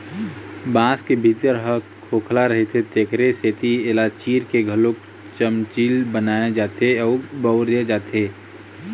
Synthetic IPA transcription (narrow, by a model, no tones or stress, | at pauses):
bãːskebʱit̪əɾɦə | kʰoːkʰlaɾəɦet̪ʰet̪eːkɾeset̪ʰielat͡ʃiːɾkeɡʱəlok̚ | t͡ʃəmt͡ʃiːlbənaːed͡ʒaːt̪eɔːbəʊɾed͡ʒaːt̪eː